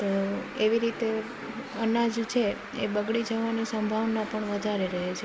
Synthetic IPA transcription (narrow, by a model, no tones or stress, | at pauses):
t̪oeʋiɾit̪e | ənad͡ʒt͡ʃʰe | ḛbəɡɭid͡ʒəʋanisəmbʱaʋnapəɳʋəd̪ʱaɾeɾəɦet͡ʃʰe